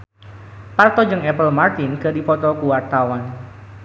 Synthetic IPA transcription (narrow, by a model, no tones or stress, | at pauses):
part̪ɔd͡ʒɨŋɛpəlmart̪inkədifɔt̪ɔkuwart̪awan